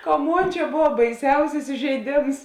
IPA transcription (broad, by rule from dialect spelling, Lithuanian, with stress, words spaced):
kɐ ˈmoːn ˈt͡ʃʲɛ ˈboːʋɐ bɐɪˈsʲɛʊsʲɪs ɪʒʲɛɪˈdʲeːms